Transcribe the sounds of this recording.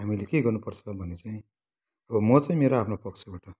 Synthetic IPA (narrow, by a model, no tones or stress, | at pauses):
ɦamilekeɡʌrnupʌrt͡sʰʌbʱʌnet͡saĩ | ʌbʌmʌt͡saĩmeɾoapʰnopʌkt͡sʰebaʈʌ